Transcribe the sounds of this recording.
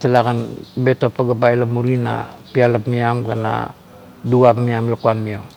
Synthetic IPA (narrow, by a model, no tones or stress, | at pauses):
təlakanbet̪opːaɡap̬ailamuɾina̰pialapmiamkana̰ | duapmiamlakuanmio